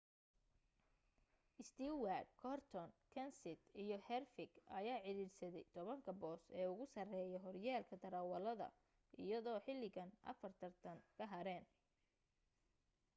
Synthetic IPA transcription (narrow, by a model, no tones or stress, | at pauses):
ʔɪst̪ʰiːwadkʰɔrt̪ʰɔnkʰɐnsɪt̪ijɞhɛrfɪɡɐ̰jaːʕɪɾiːrsɐðɛjt̪ʰɔβɐŋkʰɐbɔːsɛːʊɣʊsɐrɛːjɔɦɔrjaːlkʰɐd̪ɐɾɐwɐlɐðɐ̰ | ʔɪ̰jɐðɔːħɪlːɪɣɐnʔɐ̰fɐrt̪ʰɐrt̪ʰɐnkʰɐɦɐɾɛːn